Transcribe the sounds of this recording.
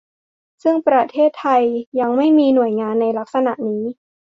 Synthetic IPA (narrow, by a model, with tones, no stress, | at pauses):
sɯ˥˩ŋpɾa˧t̪ʰeː˥˩t̪ʰːa˧jːa˧ŋma˥˩jmiː˧nu˨˩əjŋaː˧nːa˧jla˦˥k̚sa˧na˨˩ʔniː˦˥